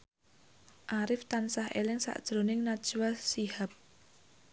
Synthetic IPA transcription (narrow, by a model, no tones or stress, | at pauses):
ʔaɾɪft̪ansahʔḛlɪŋsa̰ʔd̥ʒ̥ɾonɪŋnad̥ʒ̥uwasihap̚